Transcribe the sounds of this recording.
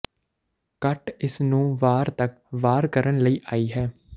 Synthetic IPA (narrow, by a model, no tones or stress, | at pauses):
kəʈɪsnũːʋaːɾt̪ək | ʋaːɾkəɾənləiːʔaːiːɦɛː